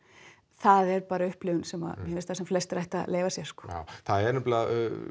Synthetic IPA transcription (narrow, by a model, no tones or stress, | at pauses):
θaðɛɾpaːɾaʏhplɪːvʏnsɛma̰ðmjɛvɪlst̪θasɛmflɛst̪ɾajht̪a̰leːjvasjɛɾ̥skɔ̥a̰θaðɛɛɾnɪmp̪la